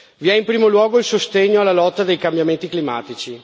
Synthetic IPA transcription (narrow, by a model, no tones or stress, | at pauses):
viɛimpɾiːmolwɔːɡoilsost̪eɲːoalːalɔt̪ːad̪ejkambjament̪iklima̰ːt̪it͡ʃi